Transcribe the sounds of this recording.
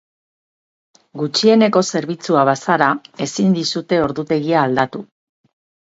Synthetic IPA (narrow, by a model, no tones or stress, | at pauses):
ɡut͡ʃie̞ne̞ko̞se̞ɾβit͡suaβasaɾae̞sind̪isut̪e̞o̞ɾðut̪e̞ɣiaːld̪at̪u